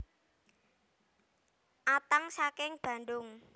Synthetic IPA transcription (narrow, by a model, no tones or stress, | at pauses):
ʔat̪aŋsakɪŋb̥ä̤ɳdʊŋ